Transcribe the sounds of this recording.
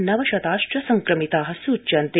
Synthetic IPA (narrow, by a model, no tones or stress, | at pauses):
nɐʋɐʃɐt̪aːʃʈɐsɐŋkɾɐmit̪aːɦɐsuːt͡ʃɐnt̪e